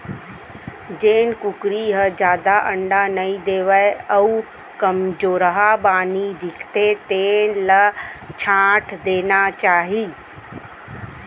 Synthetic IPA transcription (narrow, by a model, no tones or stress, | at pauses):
d͡ʒeːnkʊkɾiɦəd͡ʒjaːd̪aʔə̃ɳɖanɐĩd̪eːʋəeəu | kɐmd͡ʒoːɾəɦabaːnid̪ɪkʰt̪et̪eːnlət͡ʃʰãːʈʰd̪eːnat͡ʃaːɦiː